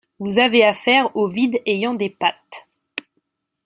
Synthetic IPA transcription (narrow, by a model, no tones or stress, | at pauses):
vuzaveafɛʁovid̪ejɑ̃d̪epat̪